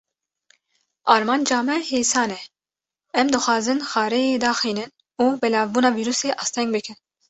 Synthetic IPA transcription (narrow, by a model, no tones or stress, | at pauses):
ɑːɾmɑːnd͡ʒɑːmɛheːsɑːnɛ | ɛmd̪ɨxʷɑːzɨnxɑːɾɛjeːd̪ɑːxiːnɨn | uːbɛlɑːvbuːnɑːviːɾuːseːʔɑːst̪ʰɛŋɡ̚bɨkʰɨn